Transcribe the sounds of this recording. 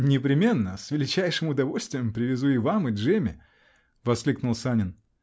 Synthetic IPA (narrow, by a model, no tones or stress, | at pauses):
nʲɪpɾʲɪmʲe̞nːəsvʲɪlʲɪt͡ɕæjʂɨmʊd̪ɐvolʲst̪vʲɪjəmpɾʲɪvʲɪzuɪvamɨʐemʲɪ̰ | vɐsklʲiknʊlˠsanʲɪn